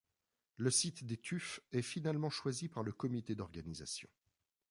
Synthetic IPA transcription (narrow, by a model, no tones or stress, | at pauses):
ləsit̪d̪et̪ʰyfɛfinalmɑ̃ʃwazipaʁləkɔmit̪ed̪ɔʁɡaniza̰sjɔ̰̃